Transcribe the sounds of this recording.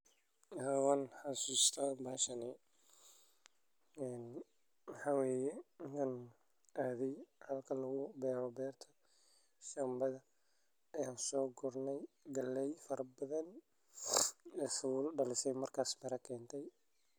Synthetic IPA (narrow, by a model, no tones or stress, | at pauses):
aːwanħɑsuːst̪ʰɐbaːʃɐnɛ | ɛːn | wɑħɑːwɛːjɛɪkʰan | ʔaːðɛjhɐlkʰɐlɐɣʊbɛːɾɔbɛːrt̪ʰɐ̥ | ʃɐmbɐðɐ | ɐjaːnsɔːɡʊrnɛjɡɐlːɛjfɐɾɐbɐðɐn | ɛːswʊlɖɐlɪsɛjmɐrkʰaːsmɐɾɐkʰɛːnt̪ʰɛj